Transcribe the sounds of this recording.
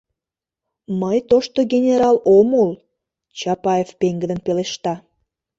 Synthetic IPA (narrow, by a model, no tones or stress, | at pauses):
məjt̪oʃt̪oɡʲenʲeɾɑlomul | t͡ɕɑpɑefpeŋɡəd̪ənpeleʃt̪ɑ